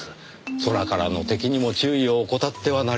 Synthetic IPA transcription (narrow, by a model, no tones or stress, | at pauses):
so̞ɾakaɾano̞t̪e̞kʲiɲ̟imo̞t͡ɕɨːio̞ːko̞t̪at̪ːe̞βana